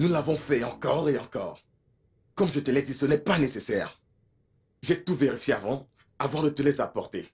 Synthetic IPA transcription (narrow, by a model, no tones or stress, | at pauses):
nulavɔ̃fɛɑ̃kɔʁeɑ̃kɔ̰ːʁ | kɔmʒət̪əlɛd̪isənɛpanesesɛːʁ | ʒɛt̪uveʁifjeavɑ̃ | avɑ̃d̪ət̪əlɛzapɔʁt̪e